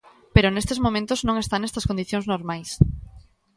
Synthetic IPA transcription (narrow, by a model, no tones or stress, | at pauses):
peɾʊnest̪ezmomẽnt̪ʊznõŋest̪anest̪ɐskond̪iθjoŋznoɾmajs